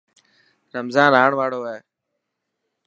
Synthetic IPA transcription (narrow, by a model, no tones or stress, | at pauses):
ɾəmzãːnaːɳʋaːɽoːeː